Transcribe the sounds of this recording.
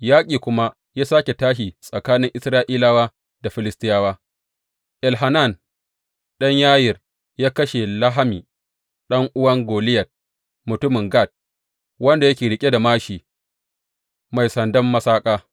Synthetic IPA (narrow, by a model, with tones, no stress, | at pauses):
jaː˦kʲʼiː˨kʷʊ˦ma˦ | jaː˦saː˦kʲe˨taː˦ʃ̬i˨sʼɐ˨kaː˦nɪ˦ŋʔɪ˦sɾaː˦ʔiː˦laː˦waː˦ | da˨ɸɪ˦lɪ˦stɪ˦jaː˦waː˦ | ʔɛ˨lɦa˨na˦˨n | ɗɐ˦ɲjaː˦jɪ˨r | jaː˦kɐ˦ʃe˨lɐ˦ɦa˦miː˨ | ɗɐ˦ŋʔʊ˦wɐ˦ŋɡoː˨lɪ˦jɐ˨t̚ | mʊ˨tʊ˦mɪ˨ŋɡa˦˨t̚ | wɐ˦nda˨jɐ˦kʲeː˨ɽɪ˨kʲʼe˦da˨maː˦ʃiː˨ | ma˨jsɐ˨ndɐ˦mːɐ˦saː˦kʼaː˦